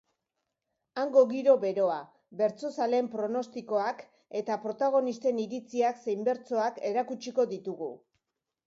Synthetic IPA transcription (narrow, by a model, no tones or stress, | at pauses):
aŋɡo̞ɣiɾo̞βe̞ɾo̞a | be̞ɾt͡so̞sale̞mpɾo̞no̞st̪iko̞ak | e̞t̪apɾo̞t̪aɣ̞o̞nist̪e̞niɾit͡siakse̞jmbe̞ɾt͡so̞ake̞ɾakut͡ʃiko̞ðit̪uɣṵ